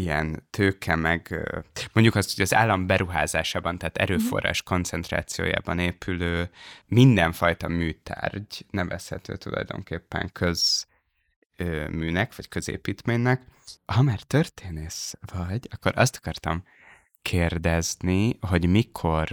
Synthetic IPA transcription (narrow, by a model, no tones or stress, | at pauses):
iɛ̰nt̪ʰøːkʰɛmɛɡmo̞ɲɟukɒst̪ho̞ɟɒza̰ːlːɒmbɛɾuɦaːzaːʃaːbɒnt̪aːt̪ɛ̰ɾøːfo̞̰rːa̰ːʃko̞nt̪sɛnt̪ra̰ːt̪sijo̰ːja̰ːbɒneːpʰyløːmind̪ɛɱfɒjt̪ɒmyːt̪ʰa̰ːrɟnɛvɛshɛt̪ø̰ːt̪ulɒ̰jd̪o̞̰ŋkeːpːɛ̰ŋkʰø̞z̥ | ømyːnɛkvɒckø̞zḛːpiːt̪meːɲːɛkhɒmaːrt̪ørt̪ʰeːneːʃvɒɟɒkːo̞ɾʔɒ̰st̪ɒ̥kɒrt̪ɒm | kʰeːrd̪ɛzniɦoɟmikʰo̞r